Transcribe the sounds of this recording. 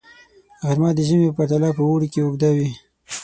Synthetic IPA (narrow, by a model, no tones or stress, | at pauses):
ɣaɾmɑd̪əʒəmepaɾt̪alɑpəwoɽikeʊɡd̪awi